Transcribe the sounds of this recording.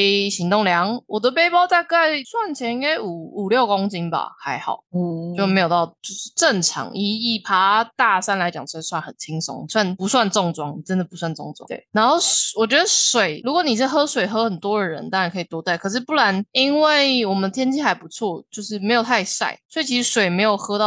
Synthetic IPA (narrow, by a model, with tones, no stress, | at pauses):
ɕi˧˥ŋt̪ʊ˥˩ŋljɑ˧˥ŋwɔ˨˩d̪ə˦pe˥ɪpɑ˥ʊt̪a˥˧ka˥˩ɪswa˥˩nt͡ɕʰjɛ˧˥ni˧˥ŋka˥ɪu˨˩u˨˩ljo˥˩ʊkʊ˥ŋt͡ɕi˥nba̰˨ha˧˥ɪxɑ̰˨˩˦ʊt͡ɕjo˥˩ʊme˧˥ɪjo˨˩ʊt̪ɑ˥˩ʊt͡ɕjo˥˧ʊʂɻ̩˥˧ʈ͡ʂə˥˩nʈ͡ʂʰɑ̰˧˥ŋʔi˨˩i˥˩pʰa˥t̪a˥˧sa˥˩nla˧˥ɪt͡ɕjɑ̰˨˩ŋ˥˧swa˥˩nxə˨˩nt͡ɕʰi˧˥ŋsɔ̰˧˥ŋ˨˩swa˥˩npu˧˥swa˥˧nʈ͡ʂɔ˥˧ŋʈ͡ʂwɑ˥ŋni˨˩t͡sə˦˥nd̪ə˨pu˧˥swa˥˩nt͡so̰˥˧ŋʈ͡ʂw̰t̪wḛ˥˩na˧˦nxo˥˩ʊwɔ˨˩t͡ɕɥɛ˧˥d̪ə˧˦ʂwe˨˩ɪɻu˧˥kwɔ˧˩˦ni˨˩ʂ̬̩˥˩ɦɤ˥ʂwe˨˩ɪxɤ˥xə˨˩nt̪wɔ˥ə˨ɻə̰˧˦nt̪ɑ˥ŋɻa˧˥nkʰɤ˧˥i˨˩t̪wɔ˥t̪a˥˩ɪkʰɤ˨˩ʂ̬ɻ̩˥˧pu˥˩la˧˦ni˦˥nwe˥˩ɪwɔ˨˩mənd̪ə˧t̪ʰjɛ˥nt͡ɕʰi˥˩xa˧˥ɪpu˧˥t͡sʰwɔ˥˨˩t͡ɕjo˥˧ʊʂ̬ɻ̩˥˩me˧˥ɪjo˨˩t̪ʰa˥˧ɪsa̰˥˩ɪsɔ˧˥i˨˩t͡ɕʰi˧ʂ̩˧˥ʂwe˨˩ɪme˧˥ɪjo˨˩ʊxɤ˥t̪ɑ˥˨˩